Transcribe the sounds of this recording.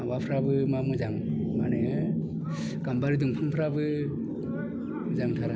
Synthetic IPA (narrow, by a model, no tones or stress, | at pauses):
abapʰɾabɯmamɯzaŋmaneɯ | ɡ̥ambaɾidɯŋpʰaŋpʰɾabɯ | zaŋtʰaɾa